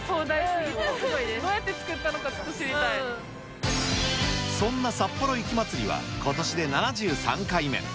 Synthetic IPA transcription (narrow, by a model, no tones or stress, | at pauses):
soːd̪aisɡoied̪oːjat̪ːe̞t͡sɨ̥kɯ̟t̪ːanokat͡ɕo̥t̪ːoɕiɾʲit̪a | sõ̞nːasapːo̞ɾo̞ikʲimat͡sɨɾʲiβa̰ko̞t̪o̞ɕid̪e̞nanaʑɨːsã̰ŋkaime̞̰